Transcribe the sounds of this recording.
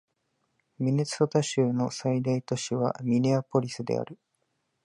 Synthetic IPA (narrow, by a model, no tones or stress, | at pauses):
mʲine̞t͡sɨ̥ot̪aɕɨːno̞said̪ait̪o̞ɕiβa̰mʲineapo̞ɾʲisɨd̪e̞̰a̰ɾɯ̟